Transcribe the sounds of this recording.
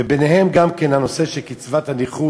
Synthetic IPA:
ebeneɦemɡamke̞nhano̞se̞ʃelkit͡svathaniχu

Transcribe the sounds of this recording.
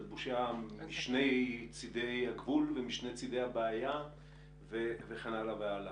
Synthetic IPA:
dbuʃamiʃne̞jt͡sid̪ejaɡvulvemiʃnejt͡sid̪ejabeaja | veveχanalaveala

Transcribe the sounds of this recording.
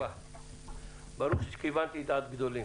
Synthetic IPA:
a | bɐɾukʃit͡ʃkʰiʋaːnt̪iːt̪aːd̪̚bid̪oːlẽː

